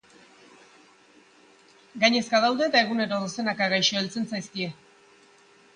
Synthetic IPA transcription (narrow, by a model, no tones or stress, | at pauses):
ɡajɲe̞skaðawðe̞ːt̪aeɣ̞une̞ɾo̞ðose̞nakaɣajʃoelt͡se̞nt͡sajskie̞